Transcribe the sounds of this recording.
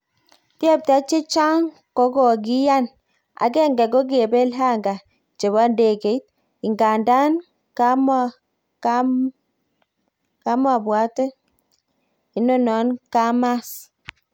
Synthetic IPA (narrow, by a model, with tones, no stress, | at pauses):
ti˦ɛ˦p̚ta˦t͡ʃe˦t͡ʃa˦ŋ | kɔ˨˦ɡɔ˨ɡi˦ja˦n | a̰˨ɡɛ˦ŋɡɛ˨ɡo˦ɡi˦e˨be˦lɦa˦ŋɡa˨ | t͡ʃe˨βa˦nde˨ke˨i˦t̚ | i˨ŋɡa˨nda˦n | ka˦m | k | ka˨˦ma˨bwa˨˦tɛ˦ | i˨nɔ˦nɔ˨˦nka˦ma˦s